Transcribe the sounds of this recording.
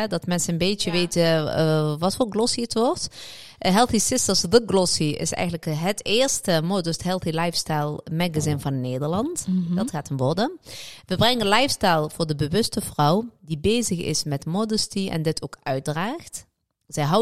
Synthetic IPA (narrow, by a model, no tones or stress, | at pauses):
dɑtmɛnsəənbejtəʋejtə | ʋɑtfoːɹɡlɔsiətʋɔɹt | ɦɛlˠθisɪstəsðəɡlɔsiɪ̰sɛ̰jɣənləkɦətɪːɹstəmodəstɦɛlˠθilɑjfstajlˠmɛɡazɪnvɑnːeːdəɹlɑntdɑtxaːtənʋɔɹdəʋəbrɛŋənlɑjfstajlˠv̥ʊːɹdəbəʋɵstəvrʌwdibejzəxɪ̰smɛtmodəstiɛ̰ndɪtʰoːkœɥt̚draːxt | z̥ɛjɦɑw